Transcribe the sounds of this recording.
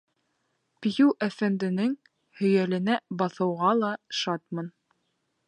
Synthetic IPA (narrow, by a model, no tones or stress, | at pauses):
pijʉwʔæfænd̪ɘ̆nɘŋ | hɵ̆jælɘ̆næbɑθɤ̆wʁɑlˠɑʃɑt̪̚mɤn